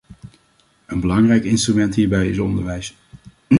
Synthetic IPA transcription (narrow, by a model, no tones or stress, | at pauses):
ənbəlɑŋrɛjkɪnstrymɛntɦiːɹbɛjɪsɔndəɹʋɛjs